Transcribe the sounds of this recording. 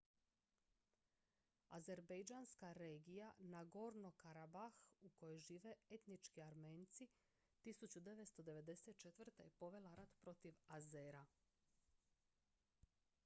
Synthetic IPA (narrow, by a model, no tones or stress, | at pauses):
a̰ze̞ɾbejd͡ʒaːnskaɾeːɡijanaɡo̞ɾnokaɾabaxuko̞jojʒiːʋe̞e̞t̪nit͡ʃkiaɾme̞ːnt̪si | t̪isut͡ɕud̪e̞ʋest̪o̞d̪e̞ʋe̞d̪e̞set̪̚t͡ʃet̪ʋr̩t̪ajepo̞ʋe̞laɾat̪pɾo̞t̪iʋazeːɾa